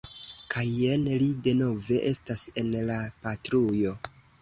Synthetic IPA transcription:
kʰajenlide̞no̞ve̞ʔe̞stase̞nlapatɾujo̞

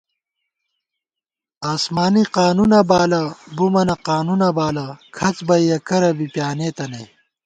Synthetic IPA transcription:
aːsmaːniqaːnunɐbaːlɐbumɐnɐqaːnunɐbaːlɐkʰɐt͡sbɐjjɐkɐɾɐbipjaːneːt̪ɐnɐj

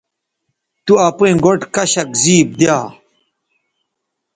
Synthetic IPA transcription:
t̪uɐpẽːɡoʈkɐɕɐkziːp̚d̪jaː

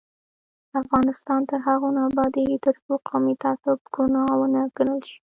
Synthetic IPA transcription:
afɣɑnɪst̪ɑnt̪əɾɦaɣonabɑd̪et̪əɾsoqʰɑmit̪ɑt̪ʊbɡ̥unɑwənaɡənəlʃi̥

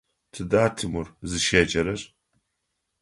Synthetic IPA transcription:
tʰɨdaːtʰɨmurzɨʃeːt͡ʃʼɐɾɐr

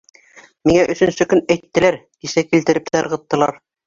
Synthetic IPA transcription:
miŋæʔɵ̆sɵ̆nsɵkɵnæjt̪ːɘ̆læɾkisækilt̪ɘ̆ɾɘp̚t̪æɾʁɤ̆t̪ːɤ̆lˠɑ̰ɾ

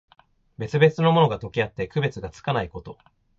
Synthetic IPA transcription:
be̞t͡sɨbe̞t͡sɨno̞mo̞no̞ɡat̪o̞kʲiat̪ːe̞kɯ̟be̞t͡sɨɡat͡sɨ̥kanaiko̞t̪o̞

